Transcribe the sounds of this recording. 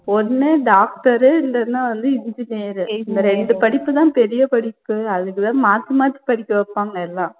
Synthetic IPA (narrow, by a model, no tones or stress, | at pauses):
ɔnːɯɖaːk̚ʈɐɾɯɪndɐɯnãːʋɐnd̪ɯɪɲd͡ʒɪnejɐɾɯɪnd̪ɐɾɛɳɖɯpɐɽɪpːɯt̪ãːpɛɾɪjɐpɐɽɪpːɯɐðɯkːɯt̪ãːmaːt̪ːimaːt̪ːi̥pɐɽɪkːɯʋɐpːaːŋɡɐɛlːãː